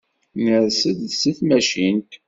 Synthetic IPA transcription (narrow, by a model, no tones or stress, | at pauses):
nəɾsəd̪səθmæʃint̪